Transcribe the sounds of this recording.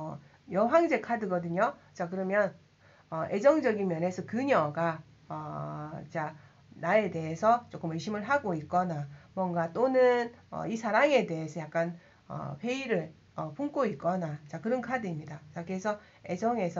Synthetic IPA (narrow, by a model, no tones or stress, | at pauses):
ʌ | jʌɦwaŋd͡ʑe̞kʰadɯɡʌdɯɲot͡ɕak̬ɯɾʌmjʌn | ʌʔe̞d͡ʑʌŋd͡ʑʌɡinmjʌne̞sʰʌkɯɲʌɡa | ʌt͡ɕa | nae̞de̞ɦe̞sʰʌt͡ɕ͈ok͈ɯmɯɕʰimɯɭɦaɡoik͈ʌnamwʌŋɡat͈onɯnʌ̰isʰaɾaŋe̞de̞ɦesʰʌjak̚k͈an | ʌ̰ɸeiɾɯɭ | ʌpʰuŋk͈oit̚k͈ʌnat͡ɕakɯɾʌnkʰadɯimɲidat͡ɕakɯɾesʰʌ | e̞d͡ʑʌŋe̞sʰʌ